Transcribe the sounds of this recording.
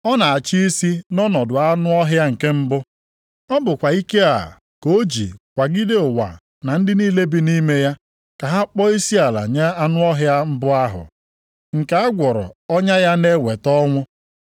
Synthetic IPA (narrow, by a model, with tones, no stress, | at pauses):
ɔ˦na˨a˨t͡ʃi˦i˦si˦nɔ˦nɔ˨dʊ˨a˦nʊ˦ɔ˦ɦja˦ŋ̩˨ke˦m̩˦bʊ˦ | ɔ˦bʊ˨kʷa˨i˦ke˦a̰˨ | ko˦d͡ʒḭ˨kʷa˨ɡɪ˦de˦ʊ˨wa̰˨ | na˨n̩˦dɪ˦niː˦le˦bi˦ni˦me˦ja˦ | ka˨ɦa˦k͡pɔ˦i˦si˦a˨la̰˨ɲe˦a˦nʊ˦ɔ˦ɦja˦m̩˦bʊ˦a˦ɦʊ̰˨ | ŋ̩˨ke˨a˦ɡʷɔ˨ɾɔ̰˨ɔ˦ɲa˦ja˦ne˦we˨tɔ˦ŋʷʊ˦